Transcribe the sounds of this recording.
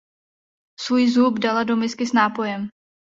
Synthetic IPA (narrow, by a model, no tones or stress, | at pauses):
svuːjzubdalado̞mɪskɪsnaːpo̞jɛm